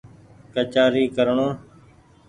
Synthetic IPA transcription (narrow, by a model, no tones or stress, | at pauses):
kət͡ʃaːɾiːkəɾɳoː